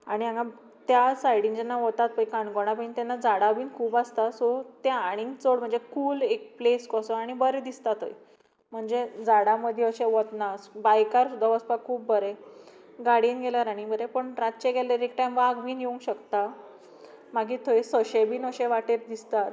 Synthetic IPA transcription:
aɽ̃iãŋɡa | t̪jasajɽĩŋd͡ʑɛnːaʋɔt̪at̪̚pəikãɳkoɳ̃apə̃it̪ɛnːad͡zaɽabiːnkʰuːbast̪asɔt̪eaɽ̃iŋɡt͡soɽm̤əɳd͡zekuːlek̚pleskɔsɔaɽ̃ibəɾed̪ist̪at̪o̰j | m̤əɳd͡zed͡zaɽaməd̪ʱjeəɕeʋɔt̪nasbajkaɾsud̪ʱːaʋəspakʰːuːpːəɾe | ɡaɽiːnɡelaɾaɽ̃ibəɾepəɳɾat̪̚t͡ɕeɡeleɾek̚ʈajmʋaɡbʱiːnjeũŋɡɕəkt̪a | maɡiːt̪ʰojsəɕebiːnəɕẽʋaʈeɾd̪ist̪at̪

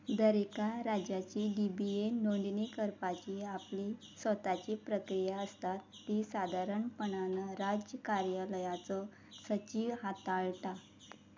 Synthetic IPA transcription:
d̪əɾekaɾad͡ʑat͡ɕiɖibienoɳɖnikəɾpat͡ɕiapli | sʋət̪at͡ɕipɾəkɾijaəst̪at̪ːisad̪ʱaɾəɳpəɳanaɾad͡ʑjəkaɾjələjat͡sɔ | sət͡ɕiʋɦat̪aɭʈa

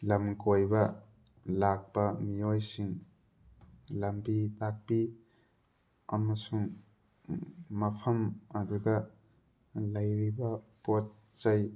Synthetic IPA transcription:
lɐmkojbɐ | lak̚pɐmiojsiŋ | lɐmbitak̚pi | ɐmɐsuŋ | mɐpʰɐmaduɡɐ | lɐjɾibɐpot̚ | zaj

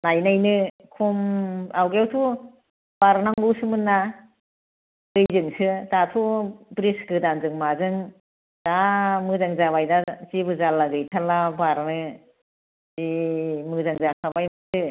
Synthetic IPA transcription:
najnajnɯ | kʰumawɡewtʰu | b̥aɾnaŋɡuwsɯmɯnːa | ɡɯjzɯŋsɯzatʰubɾisɡɯdanzɯŋmazɯŋ | d̥amɯzaŋzaβajdazibɯzalaɡɯjtʰalabaɾnɯ | zimɯzaŋzakʰabajmasɯ

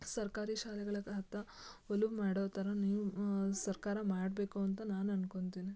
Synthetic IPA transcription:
sɐɾkaːɾiʃaːlɛɡɐɭɐkɐɦɐt̪ɐoluʋmaːɽoːt̪ɐɾɐniːʋusɐɾkaːɾɐmaːɽbe̞ːkuɐnt̪ɐnaːnɐnkoɳd̪iːni

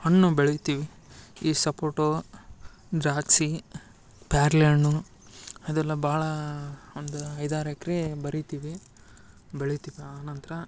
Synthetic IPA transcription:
hɐɳːubeɭit̪iːʋi | iːsɐpoːʈo | ɖ̪ɾaːksi | paːɾleɳu | ɐd̪ɛlːɐbaːɭɐond̪uɐjd̪aːɾɐkɾebɐɾit̪iːʋi | beɭit̪iːʋiaːnɐnt̪ɐɾɐ

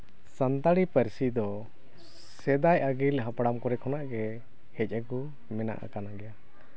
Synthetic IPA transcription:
sant̪aɽipəɾsid̪ɔ | sɛd̪ajʔəɡilɦapɽamkɔɾɛkʰɔnaʔɡɛ | hɛc̚ˀəku | mɛna̰ʔa̰kanaɡɛja

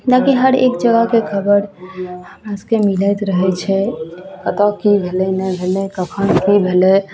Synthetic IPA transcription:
nakiɦəɾḛkd͡ʒəɡəkekʰəbəɾhəmaskemiləjt̪ɾəɦɛt͡ʃʰɛkət̪ɔkibʱelɛnəbʱelɛkəkʰənkibʱelɛ

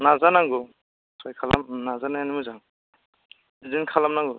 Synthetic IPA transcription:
nazanaŋɡu | sʰajkʰala̰mnazanajanimɯzam | zinkʰalamnaŋɡu

